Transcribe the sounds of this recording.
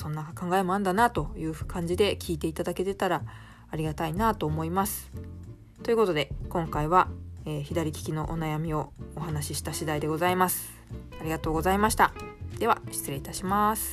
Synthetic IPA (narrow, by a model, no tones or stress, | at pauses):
sõ̞nːakakãŋɡaemo̞ãnd̪anat̪o̞jɯ̟ːɸɯ̟̥kʰãɲ̟d͡ʑid̪e̞kʲʰiːt̪e̞it̪ad̪ake̞t̪e̞t̪aɾaː | ɾʲiɡat̪ainaːt̪o̞ːmo̞imasɨ̥ | t̪o̞jɯ̟ko̞t̪o̞d̪e̞kõ̞ŋkaiβaeːçid̪aɾʲikʲi̥kʲino̞̰ʔonajamʲio̞ːɦanaɕiɕi̥t̪aɕid̪aid̪e̞ɡo̞zaimasɨ̥ | aɾʲiɡat̪o̞ːɡo̞zaimaɕi̥t̪ad̪̥e̞βaɕi̥t͡sɨẽ̞it̪aɕimasɨ̥